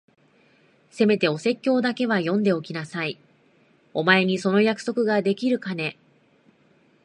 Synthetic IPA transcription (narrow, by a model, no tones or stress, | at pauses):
se̞me̞t̪e̞o̞se̞kʲːo̞ːd̪ake̞β̞ajõ̞nd̪e̞o̞kʲinasai | o̞mae̞ɲ̟iso̞no̞jakɯ̟̥so̞kɯ̟ɡad̪e̞kʲiɾɯ̟kane̞